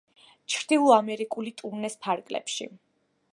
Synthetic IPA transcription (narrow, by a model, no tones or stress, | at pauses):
t͡ʃʰɾd̪ilˠamɛɾikʼulit̪ʼuɾnɛspʰaɾɡʼlɛ̰pʃḭ